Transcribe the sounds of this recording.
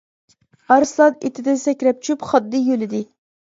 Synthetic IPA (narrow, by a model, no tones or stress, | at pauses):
ɑɾslˠɑt̪et̪ʰɪd̪ɛsɛkʲɾɛp̚t͡ʃʰypχɑd̪ːɨjølɪd̪ɪ